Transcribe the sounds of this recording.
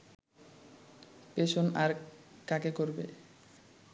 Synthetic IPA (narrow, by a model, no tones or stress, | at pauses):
peʃonaɾkakekoɾbḛ